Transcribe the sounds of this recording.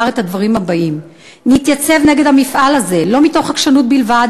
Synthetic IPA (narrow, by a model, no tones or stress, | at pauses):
aʁethad̪vaʁimhabaʔim | nit̪jat͡se̞vne̞ɡedhamifʔalaze̞lo̞mito̞χhakʃanut̚bilvad